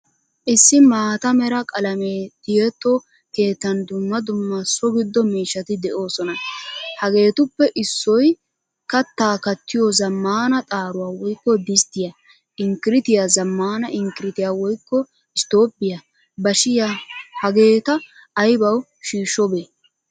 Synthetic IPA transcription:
ʔɪsːɪmaːt̪ɐmɛɾɐkʼɐlɐmeːt̪ɪjɛt̪ːo | ke̞ːt̪ːɐnd̪ʊmːɐd̪ʊmːɐsɔɡɪd̪ːɔmiːʃːɐt̪ɪd̪ɛʔo̞ːsɔnɐhɐɡe̞ːt̪ʊpːɛʔɪsːɔj | kɐt̪ːaːkɐt̪ːɪjozɐmːaːnɐt̪ʼaːɾʊwaːwɔjkːɔd̪ɪst̪ːɪja | ʔɪŋkɪɾɪt̪ɪjaːzɐmːaːnɐʔɪŋkɪɾɪt̪ɪjaːwɔjkːɔ | ɪst̪o̞ːpʼːɪja | bɐʃɪjahɐɡe̞ːt̪ɐː | jbɐw | ʃiːʃɔbeː

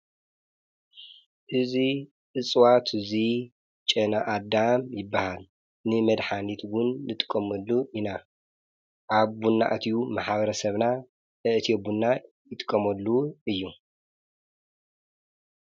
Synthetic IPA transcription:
ʔɨzi | ʔɨt͡sʼwat̪ʰɨzi | t͡ʃʼɐnaʔad̪amjɪbːahal | nɨmɐd̪ħanit̪ɡʊnːɨt̪ʼɨ̥kʼːɐmɐlːuʔina | ʔaβbunːa̰ʔt̪ʰijumaħβɐɾɐsɐβna | ɨʔt̪ʰiobunːa | jɪt̪ʼɨ̥kʼːɐmɐlːuɨjːu

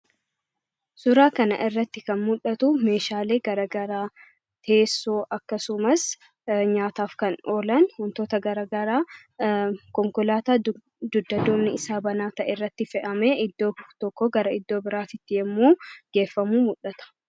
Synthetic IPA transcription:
sʊɾaːkɐnɐ̰ʔɪrːɐt̪ːɪkɐnmʊᶑɐt̪ʊme̞ːʃaːle̞ːɡɐɾɐɡɐɾaː | t̪ʰe̞ːsːoːʔɐkːɐsʊmɐs | ɲaːt̪aːfkɐno̞ːlɐnhɔnt̪o̞ːt̪ɐɡɐɾɐɡɐɾaː | kɔŋkɔlaːt̪aː | d̪ʊd̪ːɐd̪oːmnɪɪsaːbɐnaːt̪ɐʔɛrːɐt̪ːɪfɛʔɐmeʔɪd̪ːo̞ːt̪ɔkːɔɡɐɾɐɪd̪ːoːbɪɾaːt̪ɪt̪ːɪjɛmːuːɡ̥e̞ːfːɐmuːmʊᶑɐt̪ɐ̥

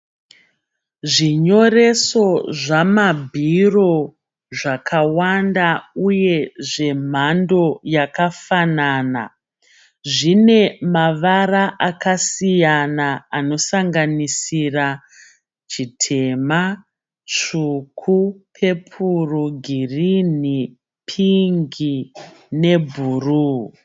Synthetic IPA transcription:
ʐiɲo̞re̞so̞ʐamabʱiro̞ | ʐakʰawandauje̞ʐe̞m̤ando̞jakafanaːna̰ | ʐine̞maʋaraʔakasijanaano̞saŋɡanisira | t͡ʃitʰe̞ma | t͡ʂukʰupʰe̞pʰuruɡʱirini | pʰiŋɡi | ne̞bʱuːru

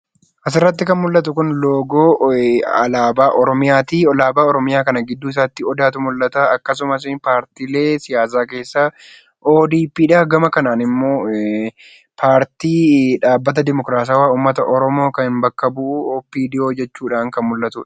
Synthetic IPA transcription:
ʔɐsɪrːɐt̪ːɪkɐnmʊlːɐt̪ʊkʊnlo̞ːɡoːɐlaːbaːʔɔɾɔmɪjaːt̪iɔlaːbaːɔɾɔmɪjaːkɐnɐɡɪd̪ːuːɪs̬aːt̪ːɪɔd̪aːt̪ʊmʊlːɐt̪aɐkːɐs̬ʊmɐs̬ɪpaːɾt̪iːle̞ːsɪjaːs̬aːke̞ːsːaː | ʔoːd̪iːpiːᶑaːɡɐmɐkɐnaːnɪmːo̞ː | pʰaːɾt̪iːᶑaːbːɐt̪̬ɐd̪ɪmɔkɾaːs̬aːwaːuːmːɐt̪ɐʔɔɾɔmo̞ːkɐnɪmbɐkːɐbʊʔʊɔpːiːd̪ɪo̞ːd͡ʒɛt͡ʃːuːᶑaːŋkɐnmʊlːɐt̪ʊᶑ

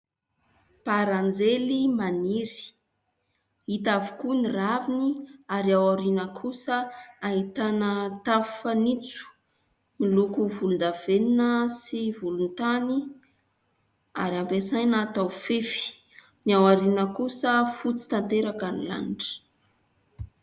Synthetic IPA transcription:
paɾand͡zelimaniɾi̥ | it̪avikuniraviniaɾiawaɾinəkʰusəaɦit̪anət̪afanit͡su̥ | milukuvulund̪aveninəsivulunt̪ani | a̰ɾiampesajnat̪awfefi̥ | niawaɾinəkusəfut͡si̥t̪ant̪eɾakanila̰niʈ͡ʂə̥

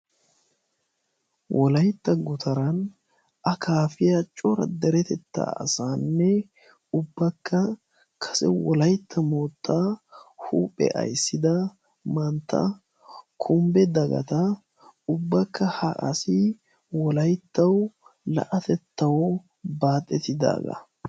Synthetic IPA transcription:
wʔɔlɐjt̪ːɐɡʊt̪ʰɐɾɐn | ʔɐkʰaːfɪjat͡ʃʼɔɾɐ̰d̪ɛɾɛt̪ɛt̪ːa̰ːɐ̰saːnːɛ | ʊbːɐkːɐ | kʰɐ̥sɛ̰wɔlɐjt̪ʰːɐmoːt̪ːaːhuːpʼːɛ̰ʔɐ̰jsːɪd̪ɐ | mɐnt̪ːɐ̰ | kʰʊmbɛd̪ɐɡɐ̰t̪ɐ | ʊbːɐkːɐhɐʔɐ̰sɪ | wɔlɐjt̪ːɐwlɐ̰ʔɐt̪ɛt̪ːɐwɔ | baːt̪ʼːɛt̪ɪd̪a̰ːɡɐ̰

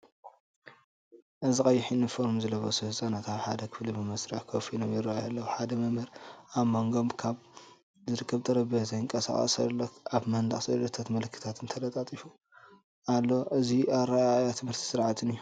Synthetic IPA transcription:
ʔɨzikʼɐjːɪħinɨfoɾmzɨlɐβɐsɨhzʼanat̪ʰaβħa̰d̪ɐkʰɨflibɨmɐsɾaħkʰofinomjɪɾajalːɐwuħad̪ɐmɐmɐɾaβmoŋɡo̞mkʰaβ | zɨɾɨkʰːɐβt̪ʼɐɾɐbɐzɐjɨŋkʼɐsa̰χʼɐ̰sɐ̰lːokaβmɐnd̪a̰χsɐd̪ɐt̪ʰat̪mɐlɨkʰːɨ̥t̪ʰat̪ʰɨnt̪ʰɐlɐt̪ʼat̪ʼifu | alːo̞ʔɨziaβɾɐajat̪ʰɨmhɨɾt̪ʰi̥sɨɾʕat̪ʰɨnijːu

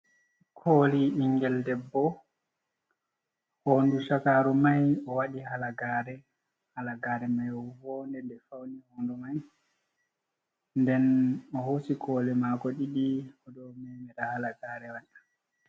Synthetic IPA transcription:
kʰoːliʔiŋɡɛldɛbːɔ | hoːnduʃakaɾumajɔwaɗihalaɡaːɾɛ | halaɡaɾɛmajɔvɔndɛndɛfawnihoːndumaj | ndɛnɔhosikʰɔːlɛmakɔɗiɗiɔdɔmɛmɛɾahalaɡaːɾɛwaɗḁ

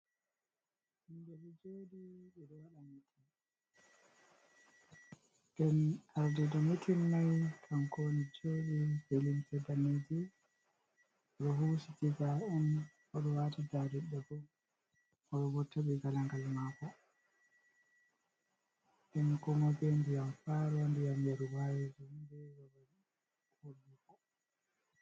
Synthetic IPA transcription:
hindɛbid͡ʒoːdiɗɛɗɔwaɗamitʰin | ɡɛnaɾdɛdamitʰinːajkʰaŋkonid͡ʒoːɗifelimsɛbaned͡ʒi | ɗɔɦusitizaɛn | ɔɗɔwatidadɛɗːabɔm | ɔɗɔbɔtʰːabɛɡalaŋɡalmaːkɔ | ɛnkɔŋɔbɛndijamfaɾɔndijamjaɾuwajid͡ʒumbɛwɔɾɔ | kolːikɔ

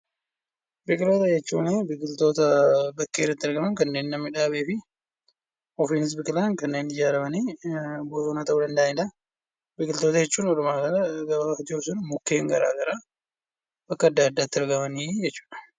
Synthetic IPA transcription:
bɪkʼɪloːt̪ɐd͡ʒɛt͡ʃːuːnebɪkʼɪlt̪o̞ːt̪ɐbɐkːeːɾːɐt̪ːɪɪɾɡɐmɐnkɐnːe̞ːnːɐmːɪᶑaːbeːfɪ | ɔfiːnɪs̬bɪkʼɪlɐnkɐnːe̞ːnɪd͡ʒaːɾɐmɐniːboːsoːnaːt̪ɐʔuːd̪ɐnd̪ɐɪᶑ̪ɐ | bɪkʼɪlt̪oːt̪ɐd͡ʒɛt͡ʃːuːnɔɾʊmaːɡɐnɐɡɐɐfɐt̪iɔfsʊnmʊkːeːŋɡɐɾa̰ːɡɐɾaː | bɐkːɐːd̪ːaːd̪ːaːt̪ːɪɪɾɡɐmɐniːd͡ʒɛt͡ʃːu̥ːᶑɐ̥

